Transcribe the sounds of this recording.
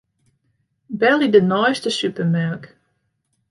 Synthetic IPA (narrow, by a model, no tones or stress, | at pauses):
bɛlˠidənɔjstəsʉpəmaɹk